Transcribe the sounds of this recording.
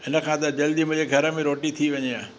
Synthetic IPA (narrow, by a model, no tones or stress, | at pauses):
ɪnə̆kʰãːt̪ɐd͡ʑɐld̪imʊ̃ːd͡ʑeɡʱɐɾəmẽɾoːʈit̪ʰiʋɐɲijãː